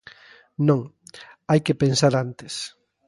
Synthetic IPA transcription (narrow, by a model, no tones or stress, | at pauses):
nõŋajkepensaɾant̪es